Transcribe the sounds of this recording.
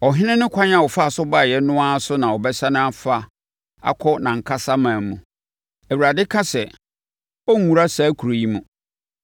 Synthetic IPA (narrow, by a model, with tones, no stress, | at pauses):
ɔ˨ɦɪ̃˦nɪ̃˦nʊ̃˦kʷʰã˦ɲã˨wɔ˨fa˦˨sʊ˦ba˦˨jɛ˦nʊ̃˦a˦sʊ˦nã˨ɔ˨bɛ˦sa˦nʊ̃˦a˦fa˦ | a̰˨kʰɔ˦nã˨ŋ̩˨kʰa˦sa˦mãː˨mũ˨ | æ˨wu˨ɾa˨dɪ˦kʰa˦sɛ˨ | ɔ˦ŋ˨˦ũ˨ɾa˦saː˨˦kʰu˨ɾo˨ji˦mũ˨